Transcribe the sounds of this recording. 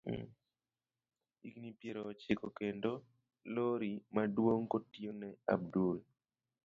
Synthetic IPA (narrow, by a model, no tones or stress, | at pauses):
iknipjeɾot͡ʃɪkokendo | loɾimadwoŋkotionɛa̰b̚dul